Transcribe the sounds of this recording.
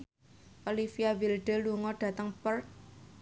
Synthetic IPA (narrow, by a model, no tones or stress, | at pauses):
olifiawilɖ̥ə̤luŋɔɖ̥ä̤t̪əŋpər